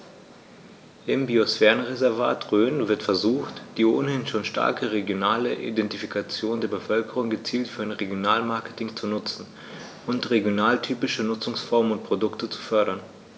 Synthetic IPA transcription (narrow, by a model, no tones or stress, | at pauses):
ʔɪmbiosfɛːʁənʁezɛɐva̰ːtʁøːnvɪɐtfɛɐzuːxtd̥iːʔoːnhɪnʃoːnʃta̰ɐkəʁeɡjonaːləʔḭdɛntifikat͡sjoːndeːɐbəfœlkəʁʊŋɡət͡siːltfyːɐaɪnʁeɡjonaːlmaɐkə̥tɪŋt͡sunʊt͡sn̩ | ʔʊntʁeɡjonaːltʰyːpɪʃənʊt͡sʊŋsfɔɐmənʊnt̚pʁ̥odʊktət͡su̥fœɐɾɐn